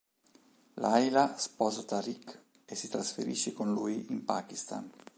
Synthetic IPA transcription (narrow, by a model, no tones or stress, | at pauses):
lʔajlaspɔːzat̪aɾik | esːit̪ɾasfḛɾḭʃːekonluːjimpakist̪a̰n